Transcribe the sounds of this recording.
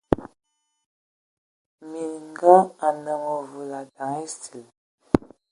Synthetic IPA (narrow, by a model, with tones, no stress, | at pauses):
mi˨ŋɡa˦a˨nə˨ŋɔ˨vu˨la˨da˨ŋe˦si˨l